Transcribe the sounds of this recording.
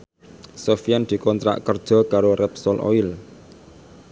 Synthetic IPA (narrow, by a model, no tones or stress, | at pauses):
sofiand̪̥i̤kɔnt̪ɾa̰ʔkərd̥ʒ̥ɔ̤kaɾorɛpsɔlʔo̰il